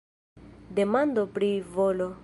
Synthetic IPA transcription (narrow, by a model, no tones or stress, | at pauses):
demandopɾivolo